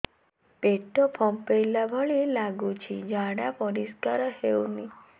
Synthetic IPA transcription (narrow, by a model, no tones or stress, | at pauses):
peʈopʰɔ̃mpejlabʱɔɭilaɡut͡ʃʰid͡ʒãɽapɔɾiskaɾhewni